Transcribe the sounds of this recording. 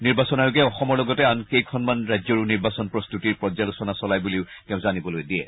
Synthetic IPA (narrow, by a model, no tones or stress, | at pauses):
niɹbasɔnaɹukɛɔxɔmɔɹlɔɡɔtɛankejkʰɔnmanɹajzɔɹuniɹbasɔnpɹɔstutiɹpɹɔd͡ʒalɔsɔnasɔlajbuliʊ | tɛʊ̃zanibɔlojdiɛ̰